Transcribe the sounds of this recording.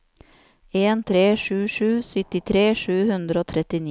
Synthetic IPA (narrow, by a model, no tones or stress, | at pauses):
eːnt̪ʰɾeːʃʉːʃʉːsʏt̪ɪt̪ʰɾeːʃʉːhʉnd̪ɾəoːt̪ʰɾɛt̪ɪni